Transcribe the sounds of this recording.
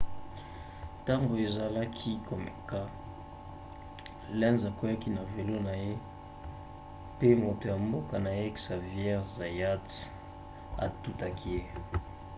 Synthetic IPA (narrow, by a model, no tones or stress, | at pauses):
t̪ambuezalakʰikomḛka | lɛnd͡zakeakinavelunae | pemot̪eambukanaeki̥savjɛʁzajat͡si̥ | a̰t̪ut̪akʰie